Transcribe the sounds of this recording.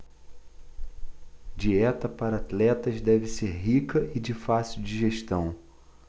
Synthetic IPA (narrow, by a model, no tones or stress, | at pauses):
d͡ʒiɛt̪ɐpaɾɐat̪lɛt̪ɐzd̪ɛvɪseɾɦikɐʔɪd͡ʒɪfasiwd͡ʒiʒeʃt̪ɐ̃w̃